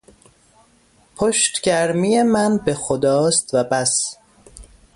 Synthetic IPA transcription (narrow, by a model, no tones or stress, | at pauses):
pʰoʃt̪ɟ̥æɾmijemænbe̞xod̪ɒːst̪væbæs